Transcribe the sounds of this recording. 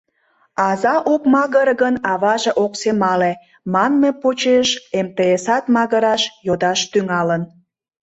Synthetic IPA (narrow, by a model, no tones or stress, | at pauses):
ɑzɑʔokmɑɣəɾɣənɑβɑʒeʔoksemɑle | mɑnmepot͡ɕeʃemt̪eesɑt̪mɑɣəɾɑʃjod̪ɑʃt̪yŋɑlən